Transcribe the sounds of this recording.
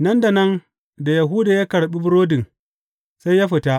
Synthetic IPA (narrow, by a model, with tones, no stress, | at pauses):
nɐ˦nda˨nɐ˦n | da˨ja˨ɦu˦daː˨ja˦kɐ˨ɽɓi˦bʊ˦ɽoː˦dɪ˨ŋ | sa˦jaː˦ɸɪ˨ta˦